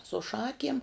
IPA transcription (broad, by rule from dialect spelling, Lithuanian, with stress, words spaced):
sʊ ˈʃɑːkʲiɛm